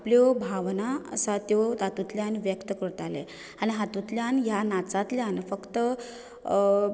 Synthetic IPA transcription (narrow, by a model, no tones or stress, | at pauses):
apljobʱaʋnaə̰sat̪jod̪at̪ut̪ljanʋjəkt̪əkəɾt̪alḛ | aɽ̃iɦat̪ut̪ljanjanat͡sat̪ljanfəkt̪ə